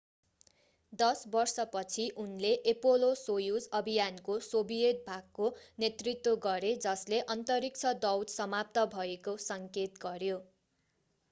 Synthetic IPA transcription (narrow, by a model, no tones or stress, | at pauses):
d̪ʌsbʌrsʌpʌt͡sʰiʔunleʔepolosojud͡zʌbʱijankosobijet̪̚bʱaɡ̚konet̪rit̪woɡʌɾed͡zʌsleʔʌnt̪ʌɾik̚t͡sʰʌd̪ʌwd̪sʌmap̚t̪ʌbʱʌekosʌŋket̪ɡʌɾjo